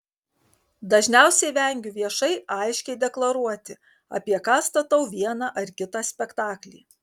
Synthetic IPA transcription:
d̪ɐʒʲnʲæˑʊsʲɛɪʋʲɛŋʲɡʲʊʋʲiɛʃɐɪɐˑɪʃʲkʲɛɪd̪ʲɛklˠɐɾuɔt̪ʲɪ | ɐ̰ːpʲiɛkɑːst̪ɐt̪ɐʊʋʲiɛnɑʔɐɾkʲɪt̪ɑsʲpʲɛkt̪ɑːklʲḭː

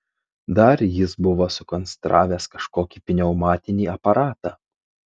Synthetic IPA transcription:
d̪ɐɾjɪsbʊʋoːsʊkɔnʲsʲt̪ɾʔɑːʋʲeːskɐʃkoːkʲiːpʲɪnʲɛʊmɑːt̪ʲɪnʲiːɐpɐɾɑːt̪ɑː

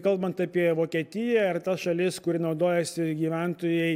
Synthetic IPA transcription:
kɐlˠbɐnt̪ɐpʲiɛʋoːkʲiɛt̪ʲɪjɛɪrt̪ɐsʃɐlʲɪskʊɾʲɪnɒʊd̪oːjɛsʲɪɡʲiːʋʲænt̪oːjɛɪ

